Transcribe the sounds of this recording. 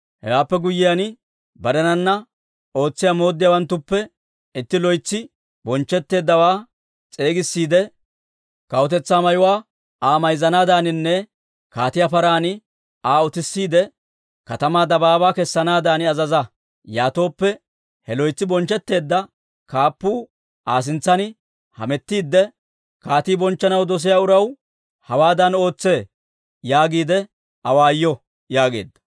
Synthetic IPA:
hɛ̰waːpːɛɡʊjːɪjan | bɐɾɛnɐnːɐ | o̞ːt͡sːɪjamo̞ːd̪ːɪjaːwɐnt̪ːʊpːɛ | ɪt̪ːɪlɔjt͡sːɪ | bɔnt͡ʃːɛt̪ːe̞ːd̪ːɐwaː | t͡sʼe̞ːɡɪsːiːd̪ɛ | kɐwʊt̪ɛt͡sːaːmɐjʊwaː | aːmɐjzɐnaːd̪aːnɪnːɛ | kaːt̪ɪjapɐɾaːnɪ | aːʊt̪ɪsːiːd̪ɛ | kɐt̪ɐmaːd̪ɐbaːbaːkɛsːɐnaːd̪aːnɪɐzɐzɐ | jaːt̪o̞ːpːɛ | hɛlɔjt͡sːɪbɔnt͡ʃːɛt̪ːe̞ːd̪ːɐ | kaːpːuː | ʔaːs̬ɪnt͡sːɐnɪ | hɐ̰mɛt̪ːiːd̪ːɛ | kaːt̪iːbɔnt͡ʃːɐnɐwd̪ɔs̬ɪjaːʊɾɐw | hɐwaːd̪ɐno̞ːt͡sːe̞ː | jaːɡiːd̪ɛ | ɐwaːjːɔ | jaːɡe̞̰ːd̪ːɐ̥

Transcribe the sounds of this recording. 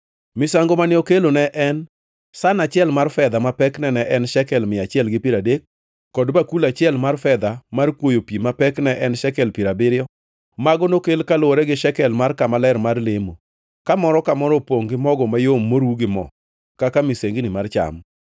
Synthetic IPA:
mɪsaŋɡomanɪokelonɛʔɛn | sanat͡ʃɪɛlmarfɛd̪amapɛknɛnɛʔɛnʃɛkɛlmɪat͡ʃɪɛlɡɪpiɾadekː | ɔdbakulat͡ʃɪɛlmarfɛd̪amarkwojopimapɛknɛʔɛnʃɛkɛlpiɾabɪɾɪjɔ | maɡɔnokelkaloɾɛɡɪʃɛkɛlmarkamalɛɾmarlemo | kamɔɾɔkamɔɾɔpoŋɡɪmɔɡɔmajomːoɾuɡɪmɔ̰ | kakamɪseŋɡinɪmart͡ʃa̰m

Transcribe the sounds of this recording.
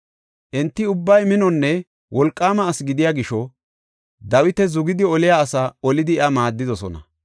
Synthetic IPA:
ʔɛnt̪ːɪʊbːɐjmɪnɔnːɛ | wɔlkʼːaːmɐːsɡɪd̪ɪjaːɡɪʃɔ | d̪ɐwɪt̪ɛzʊɡɪd̪ɪɔlɪjaːsɐɔlɪd̪ɪʔɐmaːd̪ːɪd̪ɔsɔ̰nɐ

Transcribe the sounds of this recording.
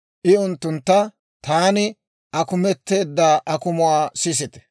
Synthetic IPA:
ʔɪʊnt̪ːʊnt̪ːɐ | t̪aːnɪ | ʔɐkʊmɛt̪ːe̞ːd̪ːaːʔɐkʊmʊwaːsɪs̬ɪt̪ɛ̥

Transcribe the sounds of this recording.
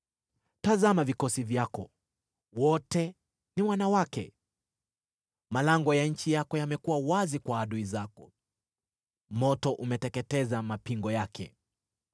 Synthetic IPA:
tazamavikɔsivjakɔ | wɔtɛ | nimwanawakɛ̰ | malaŋɡɔjaɲ̩t͡ʃijakɔjamɛkuwawazikwaːɗuizakɔ | mɔtɔʔumɛtɛkɛtɛzamapiŋɡɔjakʰɛ̰

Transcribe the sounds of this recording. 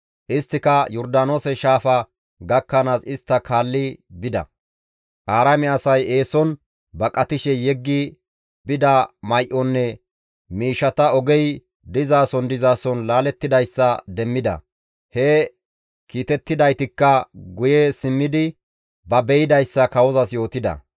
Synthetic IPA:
ʔɪst̪ːɪkɐjɔɾd̪aːno̞ːsɛʃaːfɐ | ɡɐkːɐnaːsɪst̪ːɐkaːlːɪbɪd̪ɐ̰ | ʔaːɾɐmɛɐsɐje̞ːsɔn | bɐkʼːɐt̪ɪʃɛjɛɡːɪ | bɪd̪ɐmɐjʔɔnːɛ | miːʃːɐt̪ɐɔɡɛj | d̪ɪzaːsɔnd̪ɪzaːsɔnlaːlɛt̪ːɪd̪ɐjsːɐd̪ɛmːɪd̪ɐ̰ | hɛ | kiːt̪ɛt̪ːɪd̪ɐjt̪ɪkːɐɡʊjɛsɪmːɪd̪ɪ | bɐbɛjɪd̪ɐjsːɐkɐwɔzɐsjo̞ːt̪ɪd̪ɐ̰

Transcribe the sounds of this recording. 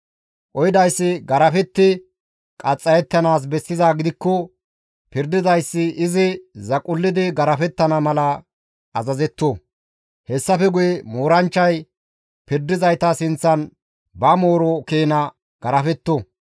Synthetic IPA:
ʔɔjɪd̪ɐjsːɪɡɐɾɐfɛt̪ːɪ | kʼɐt͡sʼːɐjɛt̪ːɐnaːs̬bɛsːɪzaːɡɪd̪ɪkːɔ | pɪɾd̪ɪzɐjsːɪʔːzɪzɐkʼʊlːɪd̪ɪɡɐɾɐfɛt̪ːɐnɐmɐlɐ | ʔːzɐzɛt̪ːo | hɛsːɐfɛɡʊjɛmoːɾɐnt͡ʃːɐj | pɪɾd̪ɪzɐjt̪ɐsɪnt͡sːɐn | bɐmo̞ːɾɔkeːnɐ | ɡ̥ɐɾɐfɛt̪ːo

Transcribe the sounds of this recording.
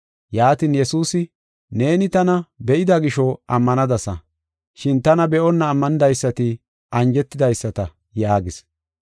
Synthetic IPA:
jaːt̪iːnjɛsuːsɪ | ne̞ːnɪt̪ɐnɐbɛʔɪd̪ɐɡɪʃɔɐmːɐnɐd̪ɐsɐ | ʃɪnt̪ɐnɐbɛʔɔnːɐːmːɐnɪd̪ɐjsːɐt̪ɪ | ʔɐnd͡ʒɛt̪ːɪd̪ɐjsːɐt̪ɐ | jaːɡɪs

